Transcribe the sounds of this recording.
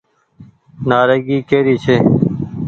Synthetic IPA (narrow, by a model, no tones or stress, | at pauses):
naːɾeːɡiːkeːɾiːt͡ʃʰeː